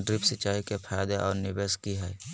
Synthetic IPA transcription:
ɖɾɪpsɪt͡ʃaːikepʰaːjd̪eʔɔːɾnɪbeːskiɦɛː

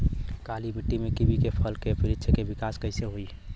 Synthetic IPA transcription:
kalibiʈːimekibʱikepʰəlkepɪɾɪt̪ːʃʰəkebɪkaːskəɪseɦoi

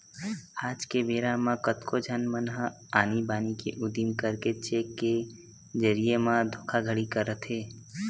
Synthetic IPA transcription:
aːd͡ʒkebeːɾamãkət̪kʰod͡ʒʱənmənɦə | aːnibaːnikeʔʊd̪imkəɾket͡ʃekːe | d͡ʒəɾijemãd̪ʱoːkʰaɡʱəɽikəɾət̪ʰɦeː

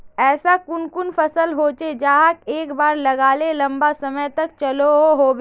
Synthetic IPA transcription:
ɛːsakʊnkʊnfɐsəlɦoːt͡ʃed͡ʒaːɦəkeːkbaːɾlɐɡaːlelɐ̃mbasɐməjt̪ɐkt͡ʃɐloɦoɦoːbe

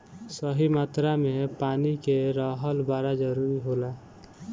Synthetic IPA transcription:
səɦimat̪ɾamepaːnikeɾəɦəlbaɾad͡ʒəɾuɾiɦola

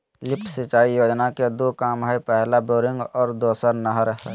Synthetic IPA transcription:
lɪpʈʰsɪt͡ʃaːijoːd͡ʒnaked̪okaːmɦaːipɛɦlaboːɾɪ̃ŋɡɔːɾd̪oːsəɾnəɦɾəɦsə̰

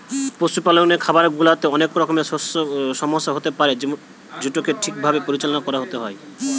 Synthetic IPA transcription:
posupaloŋnekʰabaɾɡulat̪eɔnekɾɔkomeosʃɔmoʃːaɦot̪epaɾe | d͡ʑuʈokeʈʰik̚bʱabepoɾit͡ɕalɔnakɔɾaɦot̪eɦɔe

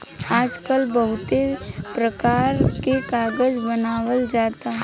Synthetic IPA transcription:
aːd͡ʒkəlbɐɦʊt̪epɾəkaːɾkekaːɡəd͡ʒbɐnaːwəld͡ʒaːt̪aɦɛ

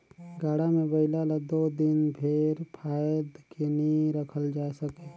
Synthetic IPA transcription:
ɡaːɽamẽbɐɪlalad̪oːd̪ɪnpʰeɾpʰaːjəd̪keniɾəkʰəld͡ʒaːsəkeː

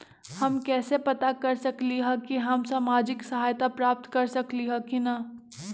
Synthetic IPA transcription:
hɐmkɛːsepɐt̪akɐɾsɐkliɦɛkiɦɐmsaːmaːd͡ʒɪksɐɦaːjt̪apɾaːp̚t̪kɐɾsɐkliɦɛkinɐ

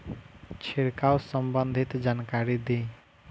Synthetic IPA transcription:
t͡ʃʰeɽkawsəmbənd̪ʱit̪d͡ʒankaɾid̪e

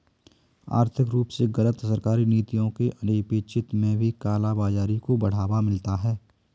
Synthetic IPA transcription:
a̰ːɾt̪ʰɪkɾuːpseɣɐlət̪səɾkaːɾineːt̪ijõkeʔɐneːpeːt͡ʃɪt̪mẽbʱikaːlabaːd͡ʒaːɾikobɐɽ̤aːʋamɪlt̪aɦɛː

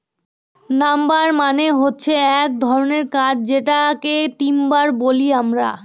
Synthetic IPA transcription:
nambaɾmaneɦotːɕʰeɛk̚d̪ʱɔɾoneɾkad͡ʑd͡ʑeʈaket̪imbaɾboliamɾa̰

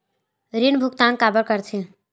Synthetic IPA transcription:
ɾinbʱukt̪ãŋkabəɾkəɾt̪ʰĩ

